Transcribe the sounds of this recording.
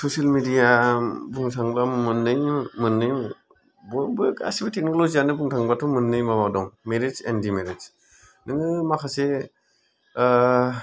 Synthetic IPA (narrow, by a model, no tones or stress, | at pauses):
sosalmidijabuŋsʰaŋlamɯnːɯjmɯnːɯj | bɔbɯka̰sibatʰek̚nɔlozijanɯbuŋtʰaŋbatʰɔmɯnːɯjmamadɔŋmeɾezɛndimeɾez | nɯŋɯmakʰase